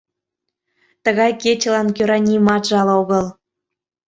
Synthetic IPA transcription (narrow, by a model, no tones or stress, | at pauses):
t̪əɣɑjket͡ɕəlɑnkøɾɑnʲimɑt̪ʒɑloɣəl